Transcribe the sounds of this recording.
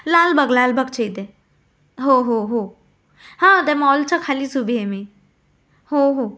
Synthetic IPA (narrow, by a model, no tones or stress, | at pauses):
laːlbəɡlaːlbɐɡt͡ʃʰəid̪e | ɦoɦoɦo | hãːd̪ɛmɔːlt͡ʃʰɐkʰaːlisubʱiɦeme | hoɦo